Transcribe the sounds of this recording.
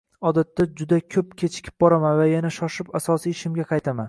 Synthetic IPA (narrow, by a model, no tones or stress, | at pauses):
ɒd̪at̪ʰːad͡ʒʊd̪akʲʰɵpkʲʰe̞t͡ʃʰɪ̥kʲʰɪ̥p̚bɒɾamanvajanaʃɒʃɪpasɒsijɪʃɪmɡʲaqʰɑjt̪ʰama̰n